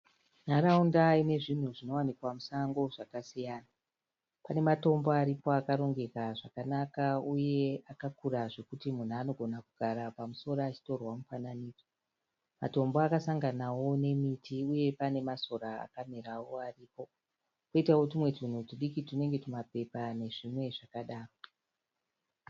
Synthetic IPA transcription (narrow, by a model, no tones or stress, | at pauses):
naraundaine̞ʐin̤uʐino̞wanikwamusaŋɡo̞ʐakasijaːna | pane̞mato̞mboaɾipo̞akaɾo̞ŋɡe̞kaʐakanakauje̞akakuraʐe̞kutimun̤uano̞ɡʱo̞nakuɡʱaɾapamuso̞ɾaat͡ʃi̥to̞rwamufananiːd͡zo | ma̰to̞mbo̞akasaŋɡanawo̞ne̞mitiuje̞pane̞maso̞ɾaa̰kamiɾawo̞ariːpo̞ | koitawot̬imwe̞tin̤utiɗikitine̞ŋɡe̞tumape̞pane̞ʐimwe̞ʐakaɗaːro